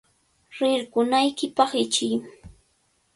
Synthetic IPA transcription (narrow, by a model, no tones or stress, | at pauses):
ɾɪɾkʊnajkɪpɑχɪt͡ʃɪj